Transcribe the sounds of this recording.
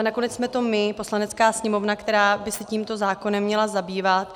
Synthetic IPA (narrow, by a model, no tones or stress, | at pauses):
nako̞nɛt͡ssmɛt̪o̞mɪpo̞slanɛt͡skaːsɲɛmo̞vnakt̪ɛɾaːbɪsɛciːmt̪o̞zaːko̞nɛmːɲɛlazabiːvat̪